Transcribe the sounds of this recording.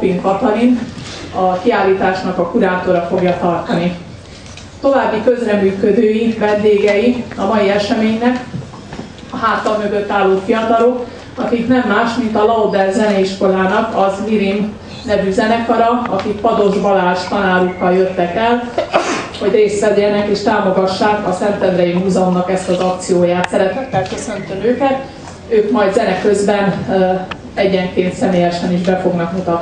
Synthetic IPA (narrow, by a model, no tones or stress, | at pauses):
piŋkkɒt̪ɒɾinɒkiaːlːiːt̪aːʃnɒkɒkuɾaːt̪oɾɒfo̞ɡjɒt̪ɒrt̪ɒni | t̪o̞vaːbːikø̞zrɛmyːkød̪øːjivɛnd̪eːɡɛjiɒmɒjiɛʃɛmeːɲnɛk | ɒɦaːt̪ːɒlmøɡø̞t̪ːaːlːoːfijɒt̪ɒlok | ɒkiknɛmːaːʃmint̪ɒlɒod̪ɛlzɛnɛiʃko̞laːnɒkɒzmiɾim | nɛvyzɛnɛkɒɾɒɒkikpɒd̪o̞ʒbɒlaːʃt̪ɒnaːɾukːɒljøt̪ːɛkɛl | ho̞ɟreːsʋɛd̪eːnɛkiʃt̪aːmo̞ɡɒʃːaːkɒsɛnt̪ɛnd̪rɛjimuːzɒmnɒkɛst̪ɒzɒkt̪sijoːjaːt̪sɛɾɛt̪ɛt̪ːɛlkø̞sø̞nt̪ømøːkɛt̪ | øːkmɒjd̪zɛnɛkø̞zbɛn | ɛɟːɛŋkeːnt̪sɛmeːjɛʃɛniʒbɛfo̞ɡnɒkmut̪ɒt̪